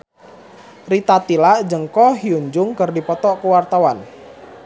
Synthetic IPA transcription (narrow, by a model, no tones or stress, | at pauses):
rit̪at̪ilaʔd͡ʒəŋkɔɦiuɲd͡ʒʊŋkərdipɔt̪ɔʔkəwart̪awan